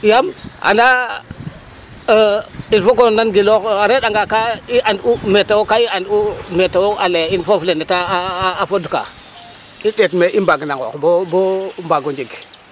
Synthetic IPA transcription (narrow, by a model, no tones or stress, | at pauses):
jama̰na | infok̬onanɡilokaɾeɗaŋɡakaiʔandumetawokaiandumetawoaleinfoflenitaːfoduka̰ | iɗetmeʔimbaɡnaɡo̰bobombaɡond͡ʒiɡ